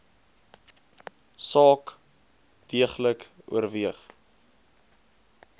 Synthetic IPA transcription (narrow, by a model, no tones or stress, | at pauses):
sɑːk | d̥iəχləkṵərviəχ